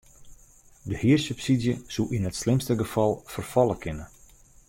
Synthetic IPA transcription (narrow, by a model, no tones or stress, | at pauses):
dəhiəsypsidjəsuʔinətslɪmstəɡəfɑlˠfərfɔlˠəkʰɪnə